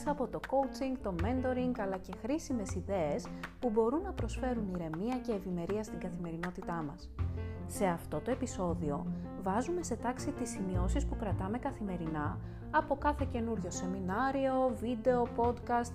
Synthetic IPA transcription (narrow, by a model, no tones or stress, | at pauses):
sɐpo̞t̪o̞ko̞wt͡siŋɡt̪o̞me̞nd̪o̞ɾiŋɡɐlɐce̞xɾisime̞siðe̞espubo̞ɾunːɐpɾo̞sfe̞ɾuniɾe̞miɐce̞ːvime̞ɾiɐst̪iŋɡɐθime̞ɾino̞t̪it̪ɐmɐ̰sː | e̞ɐft̪o̞t̪o̞e̞piso̞ðio̞ | vɐzume̞se̞t̪ɐksit̪isimio̞sispukɾɐt̪ɐme̞kɐθime̞ɾinɐ | ɐpo̞kɐθe̞ce̞nuɾʝo̞se̞minɐɾio̞vid̪e̞o̞po̞d̪kɐst̪